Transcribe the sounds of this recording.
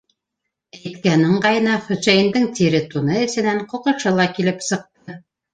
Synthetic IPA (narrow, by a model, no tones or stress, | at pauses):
æjt̪kænɘɴɢɑjɤ̆nɑχɵ̆t͡ʃæjind̪ɘŋt̪iɾɘt̪unɤɘ̆sɘ̆næɴqŏqɤ̆ʃɤlˠɑkilɘpsɤ̆q̚t̪ɤ